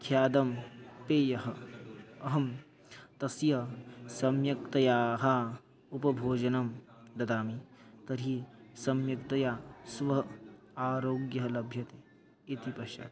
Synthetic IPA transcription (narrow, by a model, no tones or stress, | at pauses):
kʰjaːd̪ɐmpeːjɐɦɐ̆ɐɦɐm | t̪ɐsjɐsɐmjɐk̚t̪ɐjaːɦɐ | upɐbʱoːd͡ʒɐnɐm | d̪ɐd̪aːmit̪ɐɾisɐmjɐkt̪ɐjaːsʋɐɦɐ | aːɾoːɡjɐɦɐlɐbʱjɐt̪e | it̪ipɐʃa̰ːt̪